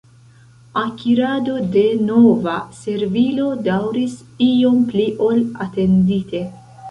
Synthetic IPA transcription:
akiɾado̞de̞no̞vase̞ɾvilo̞dawɾis | io̞mpliʔolate̞ndite̞

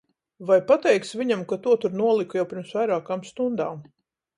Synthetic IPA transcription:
vajpat̪ɛjk̪sviɲamkat̪uɔt̪uɾnuɔlˠikujawpʲɪɾmsvajɾaːkaːmst̪und̪aːm

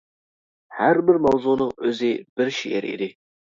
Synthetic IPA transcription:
hæɾbɪɾmɑwzunɨŋɵzɪb̥ɪɾʃijḛɾḭd̪ɪ

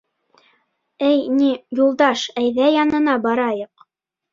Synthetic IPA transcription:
ɘjnijulˠd̪ɑʃæjðæjɑnɤ̆nɑbɑɾɑjɤq

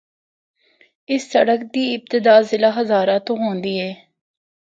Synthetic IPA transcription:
ɪsːəɽəkd̪iːɪb̚t̪ɪd̪aːzɪlaːɦɐzaːɾãt̪õːɦõːnd̪iːɦɛː

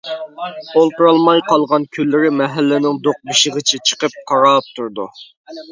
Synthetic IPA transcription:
olˠt̪uɾɑlˠmɑjqʰɑlˠʁɑnkʲʰølːɪɾɪmɛɦælːɪnɪŋd̪oq̚biʃɪʁət͡ʃʰɛt͡ʃʰə̥qəp̚qʰɑɾɑːp̚t̪ʰuɾd̪ṵ

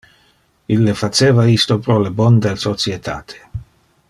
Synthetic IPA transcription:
ilːefat͡ʃeːvaist̪opɾɔlebɔnd̪elsot͡sjet̪ʰa̰ːt̪ʰe̥

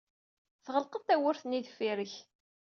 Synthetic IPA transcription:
θʁəlqət̪ːæwəɾθnid̪fiɾəç

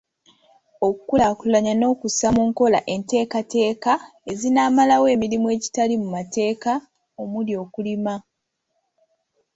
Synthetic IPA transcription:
o̞kukulakulaɲano̞ːkusamuːŋko̞la̰ʔe̞nte̞ːkate̞ːkae̞zinaːmalawe̞ːmiɾimue̞ːci̥talimumate̞ːka | omuljo̞ːkulima

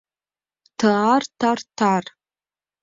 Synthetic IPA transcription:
tʰaartʰartʰar

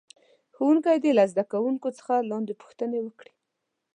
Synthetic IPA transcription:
xowuŋkajd̪elazd̪akawuŋkot͡sə̥xalɑnd̪epu̥xt̪ənewəkɽi̥

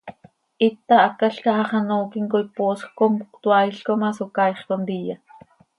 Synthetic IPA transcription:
ʔit̪ːɑʔakːaɬkɑʔɑχɑnoːkiŋkojpoːsxkomkuqt̪wɑjɬkomɑsokɑjχkond̪ija

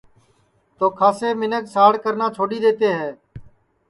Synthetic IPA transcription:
t̪oːkʰaːseːmɪnəksaːɽkəɾnaːt͡ʃʰoːɗiːd̪eːt̪eːɦɛː

